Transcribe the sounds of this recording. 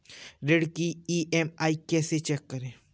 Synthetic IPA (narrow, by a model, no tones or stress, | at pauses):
ɾeːɽkiiʔɛmaːikɛːset͡ʃɛːkːɐɾẽː